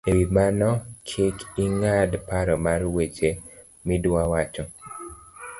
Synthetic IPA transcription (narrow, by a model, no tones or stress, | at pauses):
ewimanɔkʰɪkiŋadpaɾɔmarwet͡ʃe | midwawat͡ʃɔ